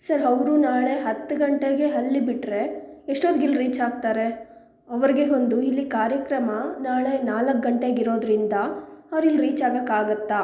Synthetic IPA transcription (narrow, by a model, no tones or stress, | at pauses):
sɐɾɐʋɾunaːɭe̞ɦɐt̪ːuɡɐɳʈeɡe̞ɦɐlːibiʈɾe̞eʂʈoːd̪ɡilːɾiːt͡ʃaːɡ̚t̪aːɾe̞ | ɐʋɐɾiɡe̞ɦo̞nd̪uilːikaːɾjɐkɾɐmɐnaːɭe̞naːlɐk̚ɡɐɳʈeɡiɾo̞ːd̪ɾind̪ɐɐʋɐɾilːɾiːt͡ʃaːɡɐkaːɡɐt̪ːa